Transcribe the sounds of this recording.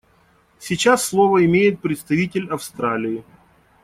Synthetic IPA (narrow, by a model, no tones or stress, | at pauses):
sʲit͡ɕasːlˠovəɪmʲejɪt̪̚pɾʲɪt̪st̪ɐvʲitʲɪlʲɐfst̪ɾalʲɪɪ